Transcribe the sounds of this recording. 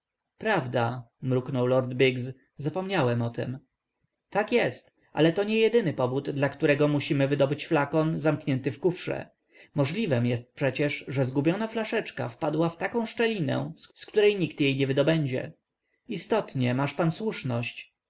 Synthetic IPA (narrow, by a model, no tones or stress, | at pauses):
pɾavd̪a | mɾuknɔwlɔɾd̪biɡz | zapɔmɲawɛmɔt̪ɛ̰m | t̪akjɛst̪ | ʔa̰lɛt̪ɔɲɛjɛd̪ɘnɘpɔvud̪ːlakt̪uɾɛɡɔmuɕimɘvɘd̪ɔbɘt͡ɕflakɔnzamkɲɛnt̪ɘfkufʂɛ̰ | mɔʐlʲivɛmjɛst̪̚pʂɛt͡ɕɛʂʐɛzɡubʲjɔnaflaʂɛt͡ʂka̰fpad̪waft̪akɔ̃ʂt͡ʂɛlʲinɛ̰sskt̪uɾɛjɲikt̪jejɲɛvɘd̪ɔbɛɲd͡ʑɛ̰ | ist̪ɔt̪ɲɛmaʂpanswuʂnɔɕt͡ɕ